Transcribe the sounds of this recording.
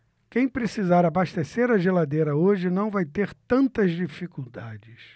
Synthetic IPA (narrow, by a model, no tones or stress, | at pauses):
kẽj̃pɾesizaɾabaʃt̪eseɾɐʒelad̪ejɾɐoʒɪnɐ̃w̃vajt̪eɾt̪ɐ̃nt̪ɐzd͡ʒifikuwd̪ad͡ʒɪs